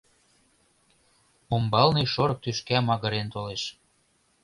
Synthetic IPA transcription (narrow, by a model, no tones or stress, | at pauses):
ombɑlniʃoɾɤ̆k̚t̪yʃkæmɑɣə̆ɾent̪oleʃ